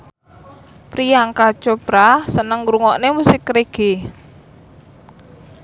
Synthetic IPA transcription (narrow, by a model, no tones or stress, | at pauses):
pɾijaŋkḁt͡ʃopɾasənəŋɾuŋɔʔnemusɪkːɾeɡ̥e